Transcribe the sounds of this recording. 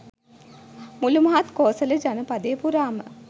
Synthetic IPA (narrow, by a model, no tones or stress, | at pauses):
mulumɐɦat̪koːsələd͡ʒanəpad̪eːpuɾaːmə̰